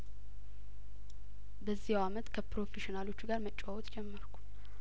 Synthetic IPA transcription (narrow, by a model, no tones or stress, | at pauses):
bəzːihwamət̪kʰəpɾo̞feʃinalo̞t͡ʃːɡaɾmət͡ʃʼːawɔt̪d͡ʒɛmːəɾkʰu̥